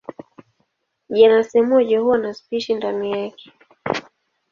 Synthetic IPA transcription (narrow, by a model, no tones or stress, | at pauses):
ʄanasɛmɔʄɔhuwanaspiʃindanijakɛ̥